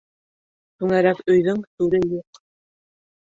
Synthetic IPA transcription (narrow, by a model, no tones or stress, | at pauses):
t̪uŋæɾækɵ̆jðɵŋt̪uɾɘjuq